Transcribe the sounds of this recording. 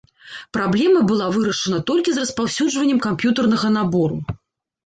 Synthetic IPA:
pɾablʲɛmɐbɨlˠavɨɾɐʂɨnɐt̪ɔlʲkʲizrɐspawsʲud͡ʐvɐnʲːɛmkampjut̪ɐrn̪ɐɣɐnabɔɾṵ

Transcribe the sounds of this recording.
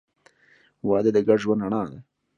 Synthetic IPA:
wɑːd̪əd̪əɡaɖʒwand̪aɳɑːd̪a

